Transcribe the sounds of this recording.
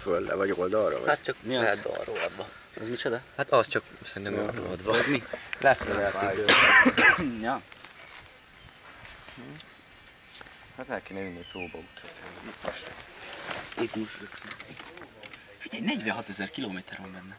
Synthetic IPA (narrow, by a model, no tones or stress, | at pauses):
følːɛ̰vɒɟold̪ɒɾɒ̰vɒ̰hat̪t͡ʃɒkmiɒɛd̪o̰ro̰ːlɒ̰d̪ʋɒ | ɒzmit͡ʃod̪ɒhat̪ɒst͡ʃɒksɛɾint̪ɛmoro̰lɒd̪ʋɒɒzmilɛfølːɛ | jɒ | h̩ | hat̪lɛlkenɛylnːit̪oːbɒut̪ɔt̪ɛnɛihɒʃ | eɡuːʃløks | fiɟɛjnɛɟvɛɦɒt̪ɛzɛrkiloːmeːt̪ɛrvɒmbɛnːɛ